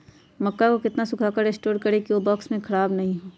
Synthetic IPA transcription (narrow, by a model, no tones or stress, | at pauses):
mɐkːakokɪt̪nasʊkʰaːkəɾeːsʈoːɾkɐɾekiʋobɔːksmẽkʰɐɽaːbnɐɦĩɦoː